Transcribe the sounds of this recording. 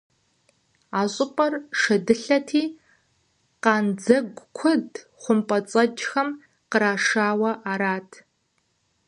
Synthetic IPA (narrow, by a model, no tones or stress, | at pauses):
aːɕʼɪpʷʼɐrʂɐdɨɬɐtʰiː | qɑːnd͡zɐɡʷkʷʰʊd | χʷʊmpʼɐt͡sʼɐd͡ʒxɐm | qəɾaːʂaːwɐʔaːɾaːtʰ